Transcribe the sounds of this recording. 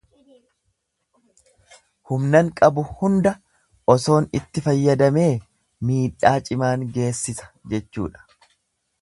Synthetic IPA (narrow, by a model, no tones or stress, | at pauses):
hʊmnɐŋkʼɐbʊhʊnd̪ɐ | ʔɔso̞ːnɪt̪ːɪfɐjːɐd̪ɐme̞ː | miːᶑaːt͡ʃʼɪmaːŋɡe̞ːsːɪsɐ̥d͡ʒɛt͡ʃːṵːᶑɐ̥